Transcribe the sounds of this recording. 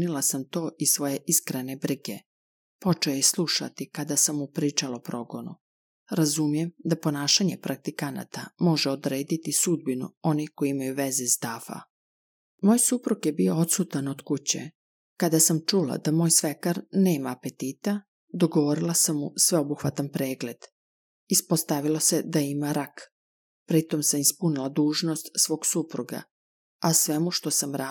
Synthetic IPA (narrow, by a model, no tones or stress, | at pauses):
nilˠasamt̪o̞ːʔisʋo̞je̞ʔiskɾene̞bɾiɡe̞ | po̞t͡ʃeojslˠuʃa̰t̪ikad̪asamːupɾiːt͡ʃalaopɾo̞ɡo̞nṵ | ɾazumije̞md̪apo̞naːʃaɲe̞pɾak̚t̪ikana̰t̪amo̞ʒeod̪ɾe̞ːd̪it̪isud̪̚binṵo̞niko̞iimajuʋe̞zezd̪afa̰ | moːjsupɾukjebio̞ot̪sut̪anod̪kut͡ɕḛ | kad̪asamt͡ʃula̰d̪amo̞ːjsʋe̞kaɾne̞ːmaːpe̞t̪iːt̪a | d̪o̞ɡoʋoɾilˠasamːusʋe̞o̞buxʋat̪anpɾeːɡle̞d̪̥ | ispost̪aʋilˠose̞d̪aimaɾak | pɾit̪o̞msamispunilˠad̪uːʒno̞st̪sʋo̞ːɡsupɾuɡa̰ | asʋe̞muʃt̪o̞samɾa